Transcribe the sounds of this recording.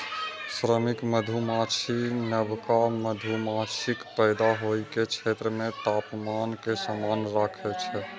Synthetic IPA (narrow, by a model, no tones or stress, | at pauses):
sɾəmikməd̪ʱumat͡ʃʰinəbkaməd̪ʱumat͡ʃʰikpəɪd̪aɦojket͡ʃʰet̪ɾəmẽt̪apmankesamanɾakʰɛt͡ʃʰɛ